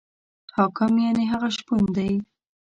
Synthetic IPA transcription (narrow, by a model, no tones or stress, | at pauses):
hɑkɪmjaneɦaɣaʃpund̪aj